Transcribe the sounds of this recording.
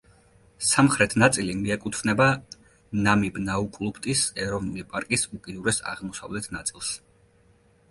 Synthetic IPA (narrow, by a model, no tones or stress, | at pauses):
samχɾɛt̪ʰnat̪sʼilimiɛkʼut̪ʰvnɛba | namibnaukʼlˠupt̪ʼisɛɾɔvnulipʼaɾkʼisukʼid̪uɾɛsa̰ʁmɔsa̰vlɛt̪ʰnat̪sʼilˠs